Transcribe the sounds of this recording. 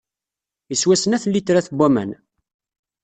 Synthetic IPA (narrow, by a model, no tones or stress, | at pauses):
əswæsənæθlːit̪ːɾæθbʷːæmæ̰n